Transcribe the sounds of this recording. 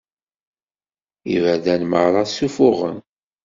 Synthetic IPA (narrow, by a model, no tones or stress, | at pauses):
ivæðænməʕɾˤɑsufʊʁə̰n